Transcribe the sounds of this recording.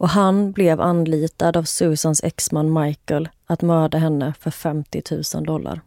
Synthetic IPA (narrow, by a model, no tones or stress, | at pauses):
ʔɔɦanblɛvanliːt̪ad̪avsʉːsansɛ̰ksmanːmajkəl | at̪mœːɖaɦɛnːəfœɾfɛmt̪ɪt̪ʰʉ̟ːsə̰nd̪ɔlːa̰ɾ